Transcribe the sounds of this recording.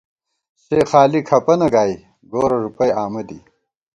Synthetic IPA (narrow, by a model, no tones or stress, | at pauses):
seːxaːlikʰɐpɐnɐɡaːj | ɡoːɾɐʐupɐjaːmɐd̪i